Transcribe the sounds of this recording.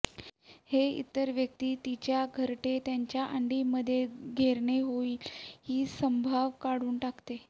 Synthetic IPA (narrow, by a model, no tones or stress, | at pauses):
heḭt̪ːəɾʋjək̚t̪iːt̪it͡ɕjaɡʱəɾʈet̪jaɲt͡ɕjaʔaɳɖiːməd̪ʱːjeɡʱeɾɳeɦoiːlhiːsəmbʱaʋkaɽuːnʈakt̪e